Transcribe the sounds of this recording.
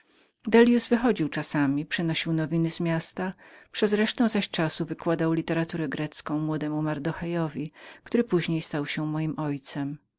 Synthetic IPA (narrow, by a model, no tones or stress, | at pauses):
d̪ɛlʲjusvɘxɔd͡ʑiwt͡ʂasamʲipʂɛnɔɕiwnɔvʲinɘzmʲjast̪a | pʂɛzɾɛʂt̪ɛ̃w̃zaɕt͡ʂasuvɘkwad̪awlʲit̪ɛɾat̪uɾɛɡɾɛt̪skɔ̃w̃mwɔd̪ɛmumaɾd̪ɔxɛjɔvʲikt̪uɾɘpuʑɲejst̪awɕɛmɔjimʔɔjt̪sɛm